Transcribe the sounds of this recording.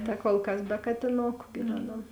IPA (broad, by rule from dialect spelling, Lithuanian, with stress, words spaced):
tɐ koːlˠ ˈkɐs bʲɛ kɐtʲɪˈnoːkʊ ɡʲɪ ˈʋʲæːˌnɐm